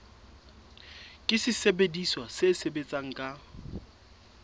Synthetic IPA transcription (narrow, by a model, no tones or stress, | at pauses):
kʼɪsɪsebediswasesebet͡sʼaŋ̩kʼa